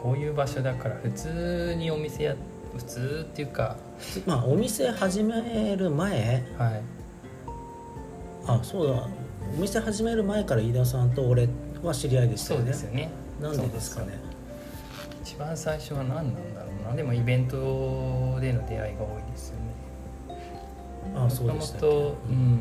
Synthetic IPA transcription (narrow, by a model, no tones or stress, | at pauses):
ko̞ːjɯ̟ːbaɕo̞d̪akaɾaɸɯ̟t͡sɨːɲ̟io̞mʲise̞ja | ɸɯ̟̥t͡sɨːt̪ːejɯ̟ːka | ɸɯ̟̥t͡sɨːmaːʔo̞mʲise̞haʑimeɾɯ̟mae̞hai | aso̞ːdaomʲise̞haʑimeɾɯ̟mae̞kaɾaid̪as̬ãnt̪o̞ːɾe̞βaɕiɾʲiaid̪e̞si̥soːd̪esɨjone | nãnd̪e̞d̪e̞sɨ̥kane̞̰ | i̥t͡ɕi̥bãɰ̃saiɕo̞βanãnːand̪a̰ɾo̞ːnad̪e̞mo̞ibẽ̞nt̪̬o̞ | d̪e̞no̞d̪e̞a̰iɡao̞ːid̪e̞sɨjone | aso̞ːd̪omot̪oɯ̟̃ɴ